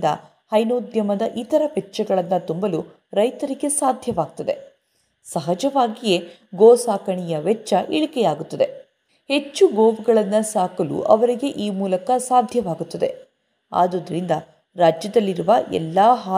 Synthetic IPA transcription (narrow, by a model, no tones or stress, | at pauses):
d̪ɐ̰ | hɐjnoːd̪jɐmɐd̪ɐʔit̪ɐɾɐpɛʈːt͡ʃːɐɡɐɭɐnːɐt̪umbɐlu | ɾɐjt̪ɐɾiɡe̞saːd̪ʱjɐʋaːɡ̚t̪ɐd̪e̞ | sɐɦɐd͡ʒɐʋaːɡije̞ | ɡoːsaːkɐɳijɐʋɛt͡ʃːɐʔiɭikɛjaːɡut̪ːɐd̪e̞ | he̞t͡ʃːuɡoːʋuɡɐɭɐnːɐsaːkɐlṵʔɐ̰ʋɐɾiɡe̞ʔiːmuːlɐkɐsaːd̪ʱjɐʋaːɡut̪ːɐd̪e̞̰ | a̰ːd̪od̪ɐɾind̪ɐ | ɾaːd͡ʒjɐd̪ɐlːiɾuʋɐʔɛ̰lːaːɦaː